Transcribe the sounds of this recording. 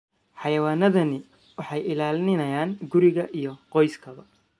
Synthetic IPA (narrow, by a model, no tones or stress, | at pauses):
ħɑjɐwaːnɐðɐnɪ | wɑħɑjɪlaːlnɪnɐjaːŋɡʊɾɪɣɐʔijɞqɔjskʰɐβɐ